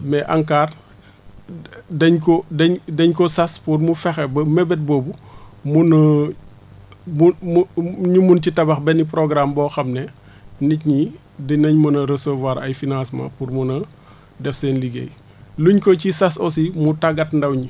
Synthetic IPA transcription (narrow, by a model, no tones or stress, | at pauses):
mɛʔaŋkaːr | dɐɲkɔdɐɲdɐɲkɔsɐspurmufɛxɛbɐmɛbɛt̚bɔːbumunɐ | mumuɲumuncitɐbɐxbɛnipɾoɡɾambɔːxɐmnɛ | nicɲi | dinɐɲmɐnɐɾɐsovwɐɾɐjfinãnsmɐ̰puɾmunɐ | dɛfsɛːnliɡḛːj | luɲkɔcisɐsɔsimutaɡɐtndɐwɲi